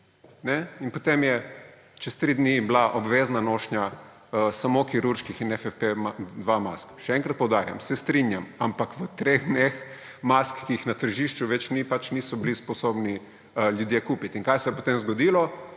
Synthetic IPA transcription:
nɛinpot̪emjɛ | t͡ʃɛst̪ɾid̪niblaʔɔbʋeːznanoʃnɲʲa | əsamokiɾuɾʃkixinɛfɛpemad̪ʋama̰skʃɛɛŋkɾɐt̪̚pɔwd̪aːɾja̰msɛst̪ɾinjamampakʋət̪ɾeɣd̪nex | maskːiixnat̪əɾʒiʃt͡ʃuʋɛt͡ʃnipat͡ʃnisɔblispɔsobni | ljud̪jekuːpit̪iŋkajsɛjɛpot̪emzɡɔd̪ilɔ

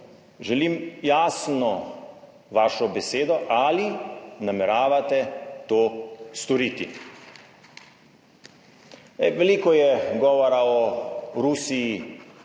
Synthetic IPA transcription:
ʒɛlimjaːsnɔ | ʋaːʃɔbɛseːd̪ɔʔalinamɛɾaːʋat̪ɛt̪oːst̪ɔɾiːt̪ḭ | ɛʋɛliːkɔjɛɡɔːʋɔɾaɔɾusiji

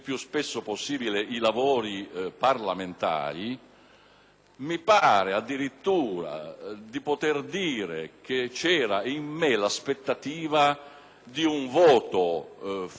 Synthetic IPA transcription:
pːjuspesːoposːiːbileilavɔːɾiparlament̪a̰ːɾi | mipaːɾead̪ːiɾit̪ːuːɾa̰d̪ipot̪erd̪iːɾḛk̟et͡ʃɛːɾaimːelaspet̪ːat̪iːva | d̪iuɱvɔːt̪o

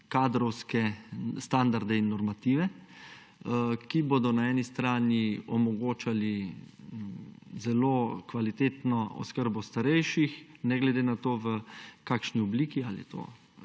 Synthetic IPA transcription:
kaːd̪ɾɔwskɛst̪and̪aɾd̪ɛinːɔɾmat̪iːʋɛ | kiboːd̪ɔnaɛːnist̪ɾaːniɔmɔɡoːt͡ʃali | zɛloːkʋalit̪eːt̪nɔɔ̰skəɾbɔst̪aɾɛjʃixnɛɡlɛd̪eːnat̪oːʋəkakʃniɔbliːkiaːlḭt̪o̰ː

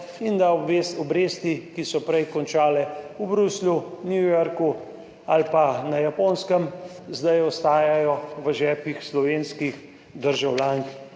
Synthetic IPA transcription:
ind̪asɔbɾeːst̪ikisɔpɾɛjkɔnt͡ʃaːlɛubɾuslunjujɔɾku | alpanajapoːnskəm | zd̪ajɔst̪aːjjajɔʋəʒɛːpixslɔʋeːnskix | d̪əɾʒawlʲaːnk

